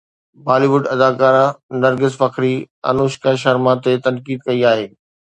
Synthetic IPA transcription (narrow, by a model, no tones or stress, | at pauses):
baːliʋʊɖɐd̪aːkaːɾanɐɾɡɪzfɐkɾi | ɐ̰noːʃkə̃ʃɐɾmat̪et̪ɐnkiːd̪kɐiaːɦeː